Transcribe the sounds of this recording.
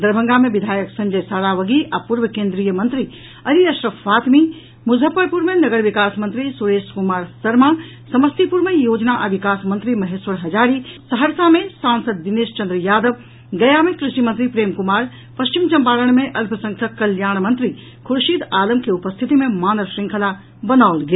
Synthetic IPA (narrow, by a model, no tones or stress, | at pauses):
d̪ɐɾbʱə̃ŋɡamẽʋid̪ʱaːjəksɐ̃ɲd͡ʒɐjsaːɾaːʋɐɡiʔapuɾʋəkẽːnd̪ɾijəmɐ̃nt̪ɾi | ɐliɐʃɾəʋaːt̪mi | mʊzʱəpːəɾpuɾmẽnɐɡəɾʋikaːsmɐ̃nt̪ɾisuɾeːʃkumaːɾsɐɾma | sɐməst̪ipuɾmẽjoːd͡ʒnaʔɐʋikaːsmɐnt̪ɾimɐɦeːsʋɐɾɦɐd͡ʒaːɾisɐɦəɾsamẽsãːnsəd̪̚ːɪneːʃt͡ʃɐ̃nd̪ɾəjaːd̪əʋ | ɡɐjaːmẽkɾɪʃʈimɐnt̪ɾipɾeːmkʊmaːɾ | pɐʃt͡ʃimt͡ʃɐ̃mpaːləɳmẽʔɐlpʰəsɐ̃ŋkʰɐkːɐljaːɳ̃mɐ̃nt̪ɾi | kʰʊɾʃid̪aːləmkeʊpəst̪ʰit̪imẽmaːnəɾsɾɪ̃ŋkʰəla | bɐnaːolɡeː